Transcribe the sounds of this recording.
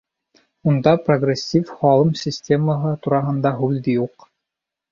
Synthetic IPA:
und̪ɑproɡrʲesʲːifχɑlˠɤmsʲɪsʲtʲeməɦɤt̪uɾɑɦɤ̆nd̪ɑɦʉld̪ɘjuq

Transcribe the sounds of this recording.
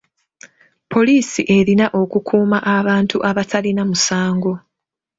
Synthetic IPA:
pʰo̞liːsiʔe̞ɾinaʔo̞kukʰuːmaʔaβaːntuʔaβatʰalinamusaːŋɡo̞

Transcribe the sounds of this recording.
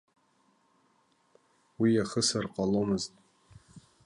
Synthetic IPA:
wijaχəsarqʼalomɨztʼ

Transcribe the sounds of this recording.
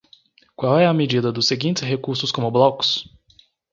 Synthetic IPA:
kwawɛɐmed͡ʒid̪ɐd̪ʊseɡĩnt͡ʃɪ̥sɦekuɾsʊskõmʊblɔkʊ̥s

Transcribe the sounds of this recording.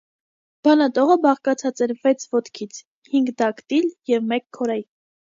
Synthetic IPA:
b̥ɑnɑt̪ɔʁəbɑχkɑt͡sʰɑt͡sɛɾvɛt͡sʰvɔt̪kʰit͡sʰ | hiŋɡd̪ɑkt̪iljɛvmɛkʰːɔɾɑji

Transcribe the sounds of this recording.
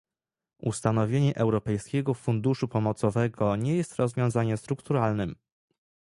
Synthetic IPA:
ust̪anɔvʲjeɲɛʔɛwɾɔpɛjskʲɛɡɔfund̪uʂupɔmɔt̪sɔvɛɡɔɲɛjɛst̪ɾɔzvʲjɔ̃w̃zaɲɛst̪ɾukt̪uɾalnɘm

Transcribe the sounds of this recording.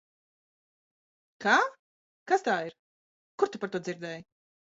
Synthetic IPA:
kaː | kast̪aːiɾ | kuɾt̪upaɾt̪uɔd̪ziɾd̪ɛːj

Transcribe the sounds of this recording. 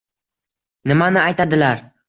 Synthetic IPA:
nɪmanɪajt̪ʰad̪ɪlaɾ

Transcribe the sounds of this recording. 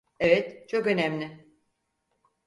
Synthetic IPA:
ɛvɛt̪t͡ʃʰo̞kø̞næmlʲɪ

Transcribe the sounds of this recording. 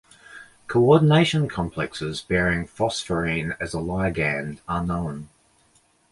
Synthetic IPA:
kʰəʊɔdⁿn̩eɪʃə̃nkʰɒ̃mpʰl̥ɛksɪzbɛːɹɪ̃ŋfɒsfəɹĩːnəzəlaɪəɡæ̃ndənə̃ʊ̃n

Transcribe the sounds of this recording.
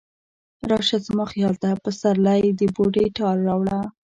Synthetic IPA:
ɾɑʃazməxjɑlt̪apəsaɾlajd̪əboɖeʈɑlːɑwɽa

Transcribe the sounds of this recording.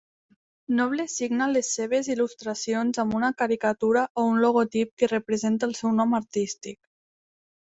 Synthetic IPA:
nɔβlesiɡnalesːeβ̞ezilust̪ɾasionzambunakaɾikat̪uɾaʔounloɣ̞ot̪ip̚kerepɾezent̪alˠsɛwnɔmaɾt̪ist̪ik̚

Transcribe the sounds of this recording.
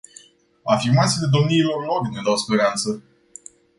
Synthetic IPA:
afirmat̪siːle̞d̪o̞mniːlo̞rlo̞ɾned̪awspe̞ɾant̪sə

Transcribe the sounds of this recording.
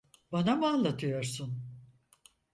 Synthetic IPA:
banamalˠat̪ʰɯjo̞ɾsun

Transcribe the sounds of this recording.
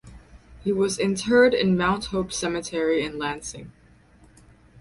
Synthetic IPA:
hiwʌzɨ̃ntʰɜ˞ɾɪ̰̃nmãʊ̃nt̚hoʊpsɛmɨtʰɛɹiɨ̃nlæ̃nsɪ̰̃ŋ

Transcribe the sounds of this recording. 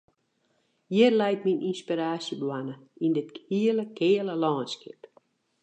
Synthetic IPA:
jɪrlɛjt̚minʔinspiɾaːsjəbwanəindɪthiələkɪələlɔːnskɪ̰p

